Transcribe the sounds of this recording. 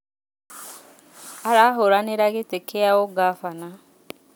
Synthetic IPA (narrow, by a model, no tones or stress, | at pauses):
aɾaɦoɾaneɾaɣɪtekʰejaoɡafana